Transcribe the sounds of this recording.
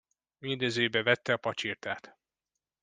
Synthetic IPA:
mind̪øːzøːjbɛvɛt̪ːɛɒpɒt͡ʃirt̪aːt̪

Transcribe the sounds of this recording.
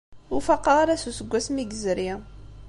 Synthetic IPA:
ʊfaqːɑʁaɾasusəɡʷːæsmiɡzəɾi

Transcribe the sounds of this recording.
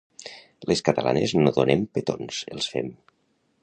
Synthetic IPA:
leskət̪əla̰neznoðonempet̪onselˠsfem

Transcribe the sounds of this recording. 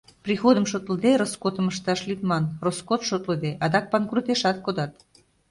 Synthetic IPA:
prixod̪əmʃot̪əld̪eɾoskot̪əməʃt̪ɑʃlit̪mɑnroskot̪ʃot̪ləd̪eʔɑd̪ɑk̚pɑnkrut̪eʃɑt̪̚kod̪ɑt̪

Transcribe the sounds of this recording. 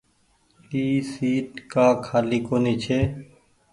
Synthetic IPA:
iːsiːʈkaːkʰaːliːkoːneːt͡ʃʰeː

